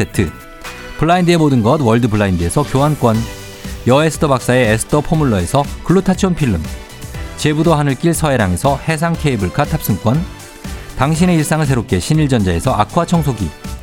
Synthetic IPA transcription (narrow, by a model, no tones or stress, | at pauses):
etʰɯ | pʰɯɭːaindɯe̞modɯnɡʌdwʌɭdɯpʰɯɭːaindɯe̞sʰʌkjoɦank͈wʌn | jʌe̞sʰɯ̥tʰʌbak̚s͈aeːsʰɯ̥tʰʌpʰomuɭːʌe̞sʰʌkɯɭːutʰat͡ɕʰonpʰiɭːɯm | t͡ɕe̞budohanɯɭk͈iɭsʰʌe̞ɾaŋe̞sʰʌhe̞s̬ʰaŋkʰeibɯɭkʰatʰap̚s͈ɯŋk͈wʌn | taŋɕ̬ʰine̞iɭs͈aŋɯɭs̬ʰe̞ɾop̚k͈e̞ɕʰiniɭd͡ʑʌnd͡ʑae̞sʰʌʔakʰwat͡ɕʰʌŋsʰoɡi